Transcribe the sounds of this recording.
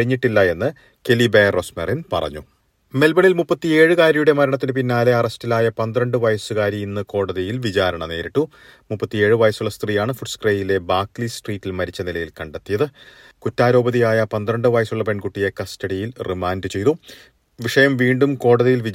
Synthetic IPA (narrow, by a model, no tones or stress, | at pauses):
iɲːiʈːilːɐe̞nːɨ | ke̞liberosmerinpɐ̰rɐ̰ɲːu | me̞lbɐɳilmupːɐt̪ːie̞ːɻɨkaːɾjɐjuɽe̞mɐɾɐɳɐt̪̬ːinɨp̬inːaːle̞ɐrɐstilaːjɐpɐnd̪rɐɳɖɨʋɐjɐsɨkaːɾjɐinːɨko̞ːɽɐðɐjilʋit͡ɕaːɾɐɳɐne̞ːɾiʈːu | mupːɐt̪ːie̞ːɻɨʋɐjɐsuɭːɐst̪rijaːɳɨfuʈskreːjile̞baːklisʈriːtːilmɐɾit͡ɕːɐnilɐjilkɐɳɖet̪ːijɐðɨ | kutːaːɾo̞ːbɐðijaːjɐpɐnd̪ɾɐɳɖɨʋɐjɐsuɭːɐpe̞ɳkuʈːije̞kɐstɐɽijilrimaːndɨt͡ɕe̞jt̪u | ʋiʂɐjɐmʋiːɳɖumko̞ːɽɐðijilʋi